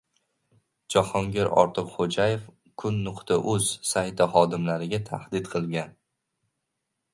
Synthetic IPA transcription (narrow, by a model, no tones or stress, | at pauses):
d͡ʒɒhɒŋɡʲeɾɒ̰ɾt̪ʰɨqχod͡ʒajef | kʰʊnːʊqt̪ʰaʔɵz̥sajt̪ʰɪχɒd̪ɪmlaɾɪɡʲat̪ʰa̰hd̪ɪd̪qʰɨlˠɡʲan